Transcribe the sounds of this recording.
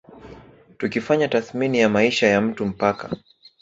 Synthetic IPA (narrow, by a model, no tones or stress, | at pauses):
tukifaɲataθminijamaiʃajam̩tum̩paka̰